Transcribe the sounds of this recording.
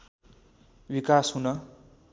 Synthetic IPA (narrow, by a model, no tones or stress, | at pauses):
wikasɦunʌ